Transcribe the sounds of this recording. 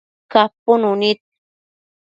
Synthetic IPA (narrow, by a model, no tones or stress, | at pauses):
kapʊnunit̪̚